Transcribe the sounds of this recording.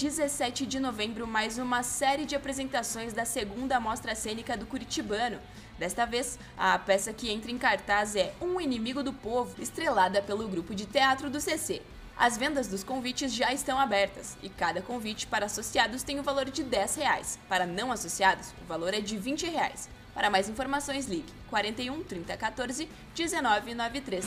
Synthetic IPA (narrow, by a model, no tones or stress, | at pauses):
d͡ʒɪzesɛt͡ʃɪd͡ʒɪnovẽmbɾʊmajzũmɐsɛɾiɪd͡ʒɪapɾezẽnt̪asõj̃zd̪ɐseɡũnd̪ɐmɔst̪ɾɐsẽnikɐd̪ʊkuɾit͡ʃibɐ̃nʊ | d̪ɛst̪ɐves | ɐpɛsɐkɪẽnt̪ɾɐẽkaɾt̪azɛũinimiɡʊd̪ʊpovʊɪst̪ɾelad̪ɐpelʊɡɾupʊd͡ʒɪt̪eat̪ɾʊd̪ʊsese | ɐ̰zvẽnd̪ɐzd̪ʊskõvit͡ʃɪzʒaɪst̪ɐ̃w̃abɛɾt̪ɐsɪkad̪ɐkõvit͡ʃɪ̥paɾɐasosiad̪ʊst̪ẽj̃ʊvaloɾd͡ʒɪd̪ɛsheajspaɾɐnɐ̃w̃asosiad̪ʊsʊvaloɾɛd͡ʒɪvĩnt͡ʃɪhea̰js | paɾɐmajzĩfoɾmasõj̃sliɡɪkwaɾẽnt̪ejũt̪ɾĩnt̪ɐkat̪oɾzɪ | d͡ʒɪzenɔvɪnɔvɪt̪ɾes